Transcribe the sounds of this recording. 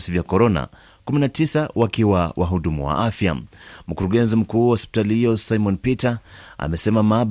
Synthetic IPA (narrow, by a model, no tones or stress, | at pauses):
sivjakɔɾɔna̰ | kuminatisawakiwawʔaɦuɗumṵwa̰ʔafja̰m̩kuɾuɠɛnzim̩kuːwaɔspi̥talihijɔsaimɔnpitaa̰mɛsɛmamaɓ